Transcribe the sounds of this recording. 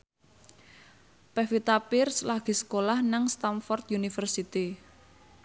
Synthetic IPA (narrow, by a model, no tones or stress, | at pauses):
pɛfit̪apɪrslaɡ̥i̤sə̥kolahnaŋst̪anfɔrt̪̚junifərsit̪i